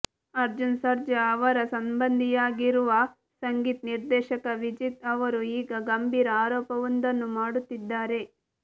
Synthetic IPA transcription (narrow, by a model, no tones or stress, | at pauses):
ɐɾd͡ʒunsɐɾd͡ʒɐːʋɐɾɐsɐmbɐnd̪ʱijaːɡiɾuʋɐ | sɐŋɡiːt̪niɾd̪ɛːʃɐkɐʋid͡ʒit̪ɐʋɐɾuiːɡɐɡɐmbʱiːɾɐaːɾɔːpɐʋond̪ɐnːumaːɽut̪ːid̪ːaːɾe̞